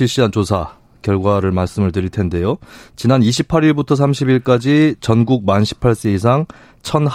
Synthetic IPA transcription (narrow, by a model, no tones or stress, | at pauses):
iɭɕ͈iɦant͡ɕosʰa | kjʌɭɡwaɾɯɭmaɭs͈ɯmɯɭtɯɾiɭtʰe̞nde̞jot͡ɕinaniɕʰipʰaɾiɭbutʰʌs̬ʰamɕʰibiɭk͈ad͡ʑit͡ɕʌnɡuɡ̚manɕʰi̥pʰaɭs͈eis̬ʰaŋ | t͡ɕʰʌn